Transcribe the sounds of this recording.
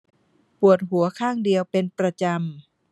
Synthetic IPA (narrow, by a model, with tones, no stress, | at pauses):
pu˨˩ət̪̚ɦu˨˩˦ɐkʰaː˥˩ŋdi˧əwpe˧npɾa˧t͡ɕa˧m